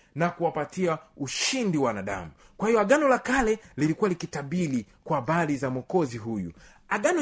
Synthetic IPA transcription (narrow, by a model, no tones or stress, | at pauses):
nakuwapatiauʃindiwanaɗa̰mu | kwahijɔaɡanɔlakalɛlilikuwalikitaɓili | kwaːɓalizamwɔkɔziɦujṵ | aɡanɔ